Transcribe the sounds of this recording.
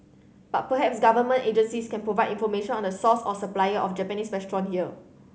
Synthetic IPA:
b̥at̚pəɦɛpsɡavəmə̃nted͡ʒə̃nsiskɛ̃npɹovaɪdĩnfɔmeʃɔ̃nɔ̃ndəsɔsɔsəplajəʔɔfd͡ʒɛpənisɹɛstɹɔ̃nhiə

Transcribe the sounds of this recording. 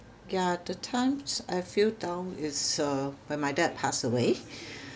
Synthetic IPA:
jadətʰãɪ̃mz̥a̰ɪfildãʊnɪzʌwɛ̃nmaɪdɛd̚pʰasəwe

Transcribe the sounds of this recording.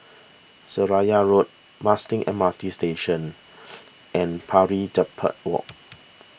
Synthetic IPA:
səɹajaɹot̚ | mastɪ̃ŋʔɛ̰̃matisteʃə̃n | ʔɛ̃npʰaɹid͡ʒəpʰə̰t̚wɔ̰k̚

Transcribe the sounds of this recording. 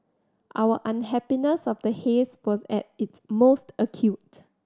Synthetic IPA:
ʔawəʔãnɦɛpinəsɔfdəheswɔzɛ̰t̚ɪtsmostəkʰjut̚

